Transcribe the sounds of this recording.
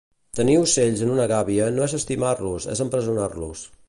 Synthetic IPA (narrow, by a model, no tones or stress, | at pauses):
t̪əniuseʎzənunəɣaβiənoɛzəst̪imarlusɛ̰zəmpɾəzunarlṵs